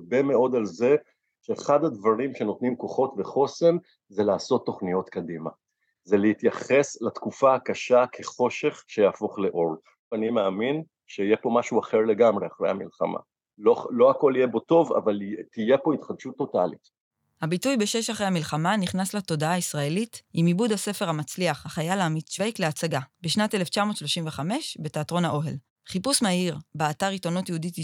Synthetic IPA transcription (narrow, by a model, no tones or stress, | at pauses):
be̞me̞o̞d̪alze̞ | ʃeːχad̪ad̪vaʁimʃe̞no̞t̪nimko̞χo̞tve̞χo̞se̞n | zelaːso̞t̪ːo̞χnijo̞t̪kad̪ima̰ | zelehit̪jaχe̞slat̪kufaakaʃakʰe̞χo̞ʃe̞χʃe̞jaːfo̞χle̞ʔo̞ʁ | vanimeamin | ʃeijepo̞maʃuaχe̞ʁle̞ɡamʁeaχʁejhamilχa̰mʔa̰ | lolo̞ako̞lijebo̞to̞va̰valtijepo̞it̪χadʃut̪ːo̞ta̰lḭt | habitujbe̞ʃe̞ʃaχʁejhamilχamaniχnasleto̞daaisʁae̞litimibudhase̞fe̞ʁhamat͡sliaχhaχajalaamiʃejkleat͡saɡabeʃnatele̞ft͡ʃamo̞tʃloʃimve̞χame̞ʃbe̞teatʁo̞nhaʔo̞ɦe̞l | χipusmaiʁbeataʁito̞notjeudit